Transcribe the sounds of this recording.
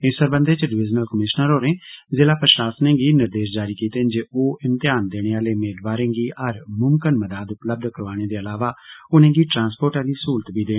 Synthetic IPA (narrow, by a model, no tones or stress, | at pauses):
ɪsəɾbə̃nd̪eːt͡ʃəɖɪʋɪd͡ʒnəlkəmɪʃnəɾɦoːɾẽːzeːlaːpɾəʃaːsnẽːɡiːnəɾd̪eːʃd͡ʒaːɾiːkiːt̪eːnd͡ʒeːoːɪmt̪ɪjaːnd̪eːɽ̃eːaːleːmeːlbaːɾẽːɡiːʔəɾmʊmkənməd̪aːd̪ʊpləb̚d̪kəɾʋaːɽ̃eːd̪eːəlaːʋaːʊnẽːɡiːʈɾãːnspoːɾʈaːd̪iːsuːlt̪biːd̪ẽː